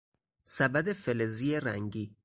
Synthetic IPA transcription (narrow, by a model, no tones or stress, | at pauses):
sæbæd̪efelezieɾæŋɟiː